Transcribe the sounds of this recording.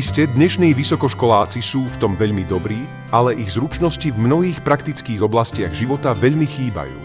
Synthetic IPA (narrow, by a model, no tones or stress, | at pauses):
iscɛd̪ɲɛʃniːʋisɔkɔʃkɔlaːt͡sisuːft̪ɔmʋɛʎmid̪ɔbɾiː | alɛʔiɣzɾut͡ʃnɔscivmnɔɦiːxpɾakt̪it͡skiːɣɔblascɪa̰ɣʒiʋɔt̪aʋɛʎmixiːba̰jṵː